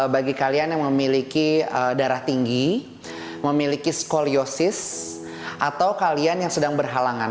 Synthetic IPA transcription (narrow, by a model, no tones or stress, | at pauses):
baɡikalianjaŋməmilikiədaɾaht̪iŋɡi | məmilikiskoliosɪs | ʔat̪awkalianjaŋsədaŋbərɦalaŋan